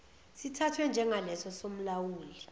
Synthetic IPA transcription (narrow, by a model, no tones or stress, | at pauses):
sitʰatʰwɛnd͡ʒʱɛŋʱalɛsɔsom̩lawuːli